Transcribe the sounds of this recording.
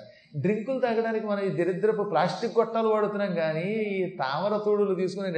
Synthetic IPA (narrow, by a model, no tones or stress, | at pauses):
ɖɾiŋkulut̪ɐɡɐɽaːnikimɐnɐmiːd̪eɾid̪ɐɾɐp̬ːuɽuplaːsʈikɡɔʈːaːluʋaːɽut̪unaːŋɡaːniːt̪aːʋɐɾɐt̪uːɽulut̪iːsu̥kune